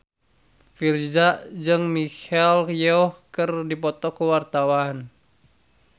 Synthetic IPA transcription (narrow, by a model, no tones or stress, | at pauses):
fird͡ʒaʔd͡ʒɨŋmikɛljɔhkɨrdipɔt̪ɔkuwart̪awan